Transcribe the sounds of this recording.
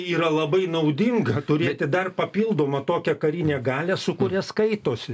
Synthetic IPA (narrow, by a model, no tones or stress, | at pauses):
iːɾɐlˠɐbɐɪnɐʊd̪ʲɪŋɡɐt̪ʊɾʲeːt̪ʲɪd̪ɐrpɐpʲiːlˠd̪oːmɐt̪oːkʲɛkɐɾʲinʲeːɡɑːlʲɛsʊkʊɾʲɛskɐɪt̪oːsʲɪ